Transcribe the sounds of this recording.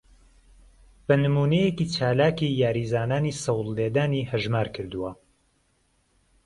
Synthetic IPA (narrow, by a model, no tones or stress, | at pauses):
b̥ɐnɨmuːnejekit͡ʃʰaːlaːkijaːɾiːzaːnaːniːsɐwlːed̪aːnihɐʒmaːɾkʰɨɾd̪uwɐ